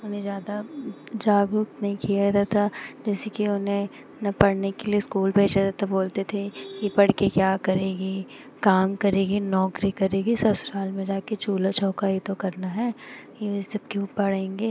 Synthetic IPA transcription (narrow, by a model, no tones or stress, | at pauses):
ʊnẽzjaːd̪a | d͡ʒaːɡʊk̪nɐɦĩkijat̪at̪ʰad͡ʒɛːsekiʊnɦẽ | nɐpɐɽ̤nekelieskuːlbʱeːt͡ʃaɾat̪ʰaboːlt̪et̪ʰekipɐɽ̤kekjaːkɐɾeːɡi | kaːmkɐɾeːɡinɔːkɾikɐɾeːɡisɐsʊɾaːlmẽd͡ʒaːket͡ʃuːlat͡ʃʰɔːkajit̪okɐɾnaɦɛːjesɐb̚kũpɐɽ̤ẽːŋɡeː